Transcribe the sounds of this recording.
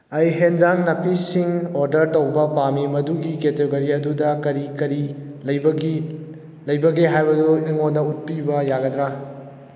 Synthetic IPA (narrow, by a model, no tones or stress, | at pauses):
ɐjɦend͡ʒaŋnɐpisiŋoɾdɐɾtɐwbɐpamimɐduɡiketeɡɐɾiɐdudɐkɐɾikɐɾilɐjbɐɡi | lɐjbɐɡeɦajbɐdueŋondɐut̚pibɐjaɡɐdɾa